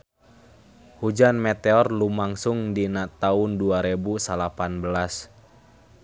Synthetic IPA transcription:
hud͡ʒanmɛt̪eɔrlumaŋsuŋdinat̪aʊnduaɾebusalapanbəlas

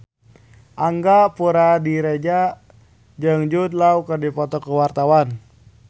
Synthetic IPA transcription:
ʔaŋɡapuɾadiɾed͡ʒa | d͡ʒəŋd͡ʒud̪̚laukərdipɔt̪ɔkəwart̪awan

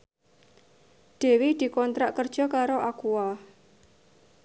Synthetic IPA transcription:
d̪̥e̤wid̪̥i̤kɔnt̪ɾaʔkərd̥ʒ̥ɔ̤kaɾoʔakuwa

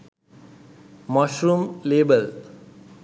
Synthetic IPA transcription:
mɔʃɾumleːbəl

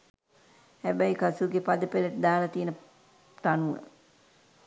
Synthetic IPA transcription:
hæbæjkasuɡepad̪əpeləʈəd̪aːlat̪ijənə | t̪anuə̰

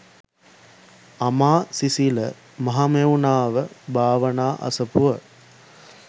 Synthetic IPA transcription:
ɐmaːsisilə | mɐɦamenaːʋəbʱaːʋɐnaːʔɐ̰sɐpuʋə

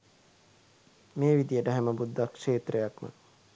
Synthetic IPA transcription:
meːʋid̪ijəʈəɦæməbud̪ːakʂeːt̪rejakmə̰

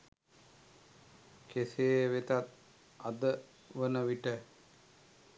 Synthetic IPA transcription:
keseəʋet̪at̪ | ad̪ə | ʋənəʋiʈə

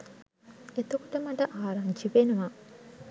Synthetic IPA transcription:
et̪ɐkuʈɐmɐʈɐʔaːɾand͡ʒiʋenuʋa

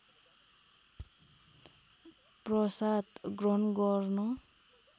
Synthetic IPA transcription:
prʌsat̪ɡrʌnɡʌrnʌ

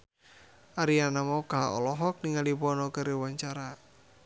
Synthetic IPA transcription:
aɾianamɔkaɦa̰ɔ̰lɔɦɔk̚niŋalipɔnɔkəɾewaɲt͡ʃaɾa

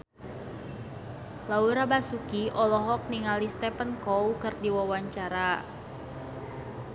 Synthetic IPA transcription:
lauɾabasukiʔɔlɔɦɔk̚niŋalist̪ɛpənkɔwkɨrdiwawaɲt͡ʃaɾa

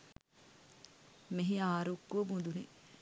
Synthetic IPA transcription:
meɦiaːɾukːuɐbud̪unḭ

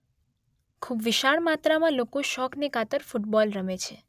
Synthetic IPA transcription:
kʰubʋɪʃaɭmat̪ɾamãlokoʃɔknekʰat̪əɾfuʈbɔlɾəmet͡ʃʰe

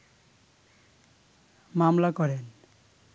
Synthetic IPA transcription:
mamlakɔɾen

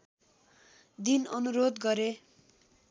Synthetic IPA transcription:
d̪inʌnuɾod̪ɡʌɾe

